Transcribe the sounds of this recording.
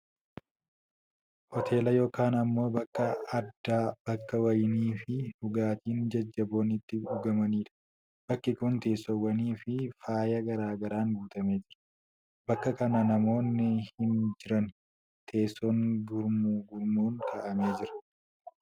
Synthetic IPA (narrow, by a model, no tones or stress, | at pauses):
hɔt̪ʰe̞ːlɐjo̞ːkaːnɐmːo̞ːbɐkːɐɐd̪ːaːb̥ɐkːɐwɐjniːfɪhʊɡaːt̪iːnd͡ʒɐd͡ʒːɐbo̞ːnɪt̪ːɪʊɡɐmɐniːᶑɐ̥ | b̥ɐkːɪkʊnt̪e̞ːsːɔwɐniːfɪfaːjɐɡɐɾaːɡɐɾaːŋɡuːt̪ɐmeːd͡ʒɪɾɐ̥ | bɐkːɐkɐnɐnɐmo̞ːnːɪhɪnd͡ʒɪɾɐn | t̪ʰe̞ːsːɔŋɡʊɾmuɡʊɾmuːŋkʰɐʔɐme̞ːd͡ʒɪɾɐ̥